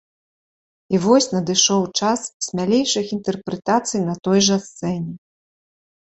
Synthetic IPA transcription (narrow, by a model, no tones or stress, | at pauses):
ivɔsʲnɐd̪ɨʂɔwt͡ʂassʲmʲalʲejʂɨxint̪ɛrpɾɛt̪at̪sɨjnɐt̪ɔjʐɐst̪sɛnʲɛ